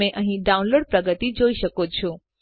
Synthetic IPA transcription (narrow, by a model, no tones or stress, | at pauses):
ẽʔəɦĩɖaunloɽ̚pɾəɡət̪id͡ʒoiʃəkot͡ʃʰũ